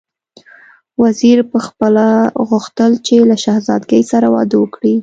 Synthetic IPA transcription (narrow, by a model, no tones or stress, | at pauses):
waziɾpəxpəlaɣʊxt̪əlt͡ʃelaʃahzɑd̪ɡəjsaɾawɑd̪əwəkɽi